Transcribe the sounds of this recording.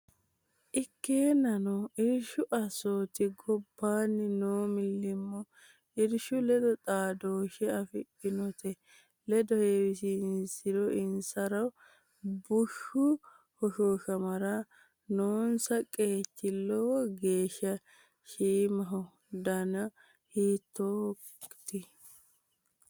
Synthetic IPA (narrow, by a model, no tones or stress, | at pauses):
ʔɪkːeːnɐnɔɪɾʃʊʔɐsoːt̪ɪɡɔbːaːnːɪnoːmɪlːɪmːɔ | ɪɾʃʊlɛd̪ɔt̪ʼaːd̪oːʃɛɐfɪpːɪnɔt̪ʰɛ | lɛd̪ɔhewɪsɪnsɪdɔʔɪnsɐɾɐw | bʊʃʊ | hɔʃoːʃɐmɐɾɐ | noːnsɐkʼe̞ːt̪ːɪlːɔɡe̞ːʃːɐ | ʃiːmɐɦɔ | d̪ɐnɐ | hiːt̪ʰːo | t̪ɪ